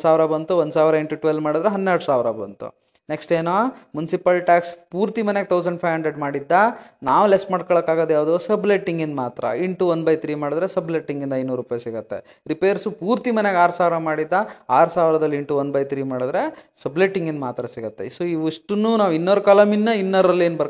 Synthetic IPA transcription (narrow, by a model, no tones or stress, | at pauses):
saːʋɾɐbɐnt̪uʋond̪saːʋɾɐeɳʈuʈʋelmaːɽid̪ɾeɦɐnːeɾɽusaːʋɾɐbɐ̰nt̪ṵ | ne̞ksʈeːnoːmunisipɐlʈaːkspuːɾt̪imɐneɡet̪ʰɐwsɐɳɖpʰɐjʋɦɐɳɖɾeɖmaːɽid̪ːɐnaːʋulesmaːɖkɔɭɐkːaːɡoːd̪ejaːʋd̪oːsɐbleʈːiŋɡind̪maːt̪ɾɐ̰iɳʈuʋond̪bɐjt̪ʰɾiːmaːɽid̪ɾesɐbleʈːiŋɡind̪ɐjnuːɾupaːjsiɡɐt̪ːe̞̰ | ɾipeːɾsupuːɾt̪imɐneɡaːɾsaːʋɾɐmaːɽid̪ːɐaːɾusaːʋɾɐd̪ɐlːiiɳʈuʋond̪bɐjt̪ʰɾiːmaːɽid̪ɾe̞sɐbleʈːiŋɡind̪maːt̪ɾɐsiɡɐt̪ːe̞̰soiʋiʂʈunːuːnaːʋinːoːɾkaːlɐminːɐinːɐɾɐlːeːnbɐɾ